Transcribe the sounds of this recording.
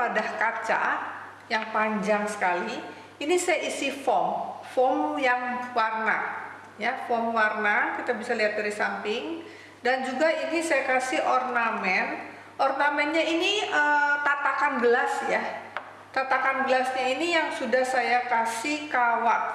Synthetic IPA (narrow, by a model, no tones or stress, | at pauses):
padahkat͡ʃa̰ | jaŋpaɲd͡ʒaŋsə̥kali | inisajaʔisifɔŋfɔŋjaŋwarna̰ | jafɔŋwarnakit̪abisaliat̪̚biɾisampɪŋ | dand͡ʒuɡainisajakasiɔrnamɛn | ʔɔrnamɛnɲainiət̪at̪akanbəlasja | t̪at̪akanbəlasɲainijaŋsudahsajakasikawaʔ